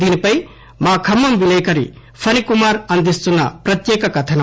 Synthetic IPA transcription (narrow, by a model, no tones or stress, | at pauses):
d̪inipɐj | maːkʰɐmːɐmbilɐjkɐɾḭ | pʰɐnikumaɾɐnd̪ist͡sunːɐ̰pɾɐt̪jeːkɐkɐt̪ʰɐnɐ